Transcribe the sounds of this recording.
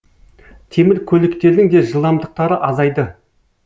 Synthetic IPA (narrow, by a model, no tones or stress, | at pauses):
t̪ʰe̞mɪlkʲʰɵlɪkt̪e̞ɾd̪ɪŋd̪e̞ʒəlˠɑmd̪əq̚t̪ɑɾəʔɑzɑjd̪ə